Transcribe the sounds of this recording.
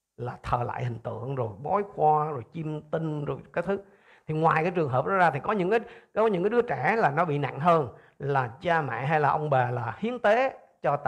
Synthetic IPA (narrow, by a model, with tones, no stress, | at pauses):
laː˨˩t̪ʰəː˨˩la̰ː˧˨jhï˨˩ŋ̟t̪ɨ̰˧˨əŋzo˨˩jɓɔ˨˦jxwaː˧zo˨˩jt͡ɕi˧mt̪ï˧ŋ̟zo˨˩jkaː˨˦jt̪ʰɨ˨˦˥ | t̪ʰi˨˩ŋwaː˨˩jkaː˨˦jt͡ɕɨ˨˩əŋɦəː˨˩p̚nɔ̰˨˥zaː˧t̪ʰi˨˩kɔ˨˦ɲɨ̰˧˥ŋkaː˨˦jɔ˨˦ɲɨ̰˧˥ŋkːaː˨˦ɗɨ˨˦ət͡ɕɛ˧˩laː˨˩nɔ˨˦ɓḭ˧˨na̰˧˨ŋɦəː˧n | laː˨˩t͡ɕaː˧mɛ̰˧˨ɦa˧jlaː˨˩ʔə˧wŋ͡mɓeː˨˩laː˨˩hi˨˦ənt̪e˨˦ | t͡ɕɔ˧t̪ː